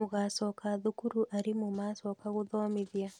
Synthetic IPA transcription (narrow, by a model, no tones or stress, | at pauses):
uɣasɔkaðukuɾuʔaɾimumasɔkaɣuðɔmiðja